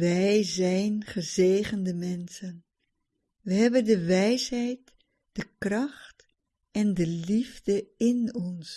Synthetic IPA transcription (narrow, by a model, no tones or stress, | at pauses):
ʋɛjzɛjnχəzeːχəndəmɛnsən | ʋəɦɛbəndəʋɛjsɦɛjt | d̥əkrɑχt | ɛndəlivdəɪnɔns